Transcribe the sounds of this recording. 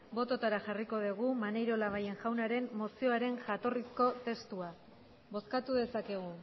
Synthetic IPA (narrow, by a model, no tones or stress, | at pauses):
bo̞t̪o̞t̪aɾaʝariko̞ðiɣ̞umanejɾo̞laβ̞aje̞ŋʝawnaɾe̞mːo̞sio̞aɾe̞nʝat̪o̞risko̞t̪e̞st̪ua | βo̞skat̪uðe̞sake̞ɣ̞u